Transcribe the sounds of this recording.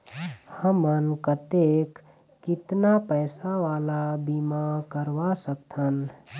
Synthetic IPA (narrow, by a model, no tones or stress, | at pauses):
həmənkət̪ekː | ɪt̪napəjsaʋaːlabimakəɾʋasək̚t̪ʰən